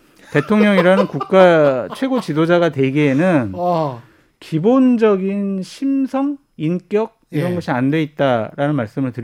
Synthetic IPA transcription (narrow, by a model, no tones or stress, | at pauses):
te̞tʰoŋɲʌŋiɾanɯnkuk̚k͈at͡ɕʰwe̞ɡot͡ɕidod͡ʑaɡatwe̞ɡienɯn | kibond͡ʑʌɡinɕʰimsʰʌŋ | ink͈jʌɡ̚iɾʌnɡʌɕʰiandwe̞it̚t͈aɾanɯnmaɭs͈ɯmɯɭtɯɾ